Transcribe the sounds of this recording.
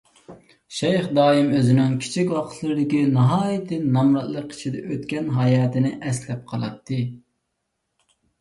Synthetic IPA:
ʃɛjχd̪ɑːimøzɪnyŋkʲʰi̥t͡ʃʰikʲwɑqʰə̥t̪ʰlˠɨɾɪd̪ɪkʲinɑɦɑːjit̪ʰɨnɑmɾɑt̪lˠəqʰi̥t͡ʃʰid̪ɛ̰ʔøt̪kʲɛnɦɑjɑːt̪ʰɪnɪʔɛslɛp̚qʰɑlˠɑ̰t̪ʰːɨ

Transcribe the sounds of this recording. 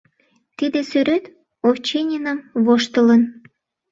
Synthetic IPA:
t̪id̪ĕsyɾøt̪ | oft͡ɕenʲinəmβoʃt̪ə̆lə̆n

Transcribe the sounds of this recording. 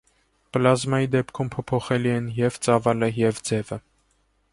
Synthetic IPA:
plɑzmɑjid̪ɛpkʰumpʰɔpʰɔχɛliɛnjɛvt͡sɑvɑləjɛvd͡zɛvə

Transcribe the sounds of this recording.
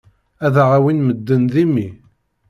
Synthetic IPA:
æðaʁawinməd̪ːənðimi

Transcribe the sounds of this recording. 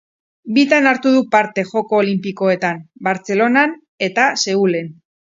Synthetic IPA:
bit̪anaɾt̪uðupaɾt̪e̞xo̞ko̞ːlimpiko̞e̞t̪anbaɾt͡se̞lo̞nan | e̞t̪ase̞ule̞n

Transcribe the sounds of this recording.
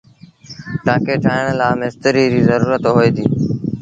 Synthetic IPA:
t̪ãːkeːʈʰaːəɳlaːmest̪əɾiːd͡ʑiːzəɾuːɾət̪ɦoːeːd̪iː

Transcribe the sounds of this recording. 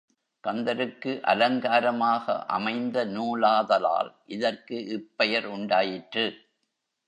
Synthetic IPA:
kɐnd̪ɐɾɯkːɯʔɐ̰lɐŋɡaːɾɐmaːɣɐ̰ʔɐ̰mɐɪnd̪ɐnuːlaːðɐla̰ːlʔɪðɐrkɯʔɪpːɐjɐɾʊɳɖaːjɪʈrɯ

